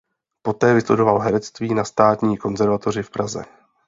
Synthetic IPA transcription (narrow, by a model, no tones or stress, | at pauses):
po̞t̪ɛːvɪslɛ̰do̞valɦɛɾɛt͡st̪viːnast̪aːt̪ɲiːko̞nzɛɾvat̪o̞r̝ɪfpɾazɛ̰